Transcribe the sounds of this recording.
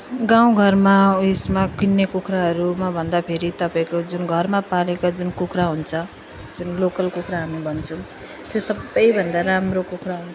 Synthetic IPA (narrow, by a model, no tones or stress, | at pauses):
ɡaw̃ɡʱʌrmaesmakinːekukɾaɦʌɾumabʱʌnd̪apʰeɾit̪ʌpaĩkod͡zunɡʱʌrmapalekad͡zunkukɾaɦunt͡sʰʌ | d͡zunlokʌlkukɾaɦamibʱʌnt͡sʰʌ̃ | t̪josʌbʌjbʱʌnd̪aɾamrokukɾaɦunt͡sʰʌ